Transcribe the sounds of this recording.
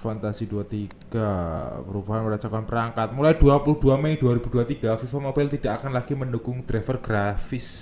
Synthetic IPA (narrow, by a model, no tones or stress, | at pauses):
fant̪asiduat̪iɡ̥apəɾubaɦanməɾat͡ʃakanpəɾaŋkat̪̚mulajd̥uapuluhd̥uamɛjduaɾib̥ṳduat̪iɡafifamobɪlt̪id̥aʔakanlaɡimənukʊŋd̪̥ɾɛfərɡ̥ɾafɪs